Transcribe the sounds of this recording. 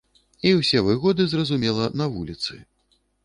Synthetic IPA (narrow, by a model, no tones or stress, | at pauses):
iwsʲɛvɨɣɔd̪ɨzrɐzumʲɛlˠɐnɐvulʲit̪sɨ̰